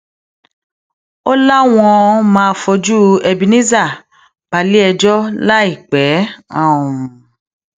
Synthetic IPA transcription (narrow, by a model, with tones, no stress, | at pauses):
o˦la˦w̃ɔ̃˧mãː˦˧fɔ˧d͡ʒu˦ɛ˧bi˧nĩ˦za˦˨ | b̥a˧li˦ɛ˧d͡ʒɔ˦la˦i˦˨k͡pɛ˨˦ã˦˨ũ˨